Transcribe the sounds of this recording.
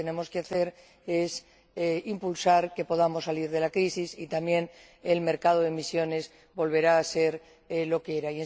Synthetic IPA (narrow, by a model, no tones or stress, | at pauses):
ene̞mo̞skeaθe̞ɾ | e̞s | eimpulsaɾke̞po̞ðamo̞sːaliɾðe̞lakɾisisit̪amje̞n | elme̞ɾkað̞oðemisjo̞ne̞z | bo̞lβ̞e̞ɾaːse̞ɾ | lo̞keɾaien